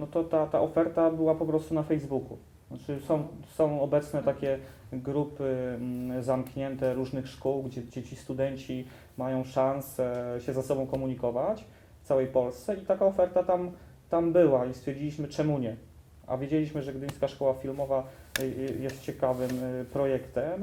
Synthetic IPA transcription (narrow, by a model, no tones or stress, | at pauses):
nɔt̪ɔt̪at̪aʔɔfɛɾt̪abɘwapɔpɾɔst̪unafɛjzbuku | at͡ʂɘsɔ̃w̃sɔ̃w̃ɔbɛt̪snɛt̪akʲɛɡɾupɘ | zamkɲɛnt̪ɛɾuʐnɘxʂkuwɡd͡ʑɛd͡ʑɛt͡ɕist̪ud̪ɛɲt͡ɕi | majɔ̃w̃ʂansɛɕɛzasɔbɔ̃w̃kɔmuɲikɔvat͡ɕ | ft̪sawɛjpɔlst̪sɛit̪akaɔfɛɾt̪at̪am | t̪ambɘwaist̪fʲɛɾd͡ʑilʲiɕmɘt͡ʂɛmuɲɛ | a̰vʲjed͡ʑelʲiɕmɘʐɛɡd̪ɘɲ̃skaʂkɔwafʲilmɔva | jɛst̪t͡ɕɛkavɘmpɾɔjɛkt̪ɛm